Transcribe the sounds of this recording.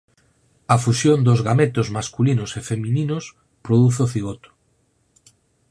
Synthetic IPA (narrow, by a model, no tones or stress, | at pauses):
afusjond̪ozɣamet̪ozmaskulinosefemĩninos | pɾoðuθoθiɣot̪o̥